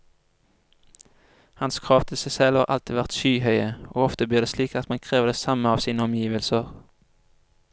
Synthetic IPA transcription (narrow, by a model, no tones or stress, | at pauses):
hɑnskʰʁɑːft̪ʰɪsæɪsɛlɑ̰ːʔɑ̰lt̪iːʋæʁt̪ʃyːhœʏəʔoːɔft̪əbliːʁd̪eːsliːkɑt̪mɑnkʰʁeːʋəd̪eːsɑməɑːʋsiːnəɔmjiːʋəlsəʁ